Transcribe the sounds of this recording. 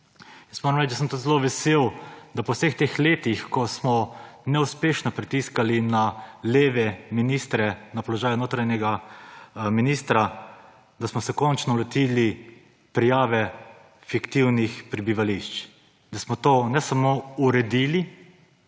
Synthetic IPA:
jəsmoːɾɐmlɛt͡ʃd̪asəmt̪ut̪zɛloʋɛseːwd̪apɔwsext̪eːxleːt̪ixkɔsmɔnɛuspeːʃnɔpɾit̪iskalinaleːʋɛminist̪ɾɛnapɔlɔʒaːjʊnoːt̪ɾajɲɛɡa | minist̪ɾa | d̪asmɔsɛkɔnt͡ʃnɔlɛt̪iːli | pɾijaːʋɛ | fikt̪iwnixpɾɛbiʋaliʃt͡ʃ | d̪asmɔt̪oːnɛsamouɾɛd̪ili

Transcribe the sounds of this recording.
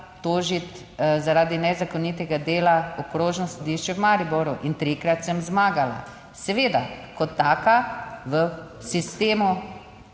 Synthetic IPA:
t̪oːʒit̪ | zaɾaːd̪inɛzakoniːt̪ɛɡad̪eːlaɔkɾoːʒnɔsɔd̪iːʃt͡ʃɛwmaɾiboɾuʔint̪ɾikɾat̪sɛmzmaːɡala̰ | sɛʋeːd̪akɔt̪ːaːkaʋə | sist̪eːmu

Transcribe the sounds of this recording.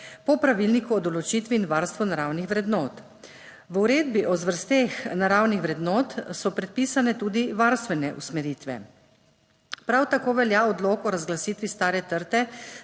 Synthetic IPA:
pɔpɾaʋilnikuɔd̪ɔlɔt͡ʃiːt̪ʋiːnʋaːɾst̪ʋunaɾaːwnixʋɾɛd̪nɔːt̪ | ʋuɾeːd̪̚biʔɔzʋəɾst̪exnaɾawnixʋɾɛd̪nɔːt̪sɔpɾɛt̪̚piːsanɛt̪uːd̪iʋaɾst̪ʋɛnɛʔṵsmɛɾiːt̪ʋɛ̰ | pɾawt̪akoːʋɛljaɔd̪loːkɔɾazɡlasit̪ʋist̪aːɾɛt̪əɾt̪ɛ

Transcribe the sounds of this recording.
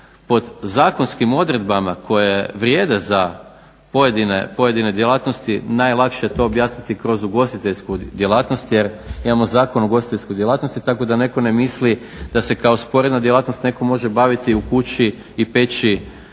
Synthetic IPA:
po̞d̪zaːkonskimo̞d̪ɾe̞d̪bamakʰo̞jeʋɾje̞ːd̪e̞za | po̞jed̪inepo̞je̞d̪ine̞d̪jelˠaːt̪no̞st̪inajlˠakʃejet̪o̞ːbjaːsnit̪ikɾo̞zuɡo̞st̪it̪e̞ʎskud̪je̞laːt̪no̞st̪je̞ɾimamo̞zaːko̞nuɡo̞st̪i̥t̪eʎskojd̪jelaːt̪no̞st̪it̪ako̞d̪ane̞ko̞ne̞misli | d̪̥ase̞kao̞spo̞ɾe̞d̪nad̪jelaːt̪no̞st̪ne̞ko̞mo̞ʒe̞baʋit̪iukut͡ɕi | ipe̞t͡ɕi

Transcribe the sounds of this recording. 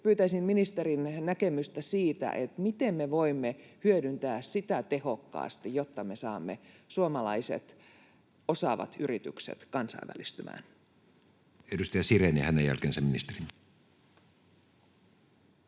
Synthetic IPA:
pyːt̪æisimminist̪erinnækemyst̪æsiːt̪æ̰ʔet̪mit̪emːeʋoimːehyødynt̪æːssit̪æt̪e̞hokːɑ̰ːst̪ijot̪ːɑme̞sɑːmːesuomɑlɑisḛt̪ | o̞sɑʋɑ̰t̪yrit̪y̰ksḛt̪kɑnsɑ̰iʋːæ̰list̪ymʔæ̰ːn | edust̪ɑjɑsirenehænejæ̰lkensæmminist̪erin

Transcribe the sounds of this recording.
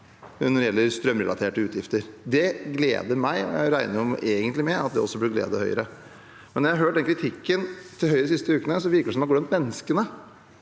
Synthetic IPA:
nɔɾɪjɛlːəɾst̪ɾœmːɾɛlɑ̰t̪ʰeːʈəʉːt̪ʰjɪft̪əɾd̪ɛɡlḛːd̪əmæɪɔ̰jæ̰ɪɾæɪnəɾɔmeːɡənt̪lɪmɛɑt̪̚d̪ɛɔsːɔblɪɡlḛːd̪əhœʏəɾə | mɛnɔɾjæhɑɦøːʈ̚ɖ̪ɛnkʰɾɪt̪ʰɪkːənt̪ʰɪlhœʏɾəsɪst̪əʉːkənəsɔʋɪɾkəɖɛsɔmæɡɾɛnt̪mɛnːəskənə

